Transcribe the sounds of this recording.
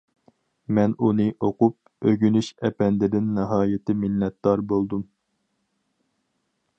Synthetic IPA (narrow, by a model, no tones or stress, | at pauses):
mɛnunɨʔoqup̚ | øɡʲynyʃɛpɛnd̪ɪd̪ɪnːɨɦɑːjɪt̪ʰɪminːɛt̪̚d̪ɑɾbolˠd̪um